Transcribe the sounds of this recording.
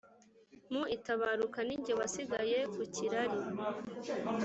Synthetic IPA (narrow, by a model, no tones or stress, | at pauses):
muitaβaɾukaniɲɟoβasiɡaje̞kuciɾaɾi